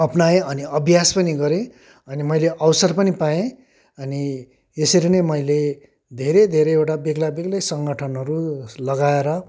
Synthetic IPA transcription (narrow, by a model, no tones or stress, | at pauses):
ʌpnaẽʌniʌbʱjaspʌniɡʌɾẽ | ʌnimʌjleʔʌwsʌrpʌnipaẽ | ʌni | jesʌɾinʌmʌjle | d̪ʱeɾed̪ʱeɾeewʈabeɡlabeɡlʌjsʌŋɡʌʈʰʌnɦʌɾulʌɡaeɾʌ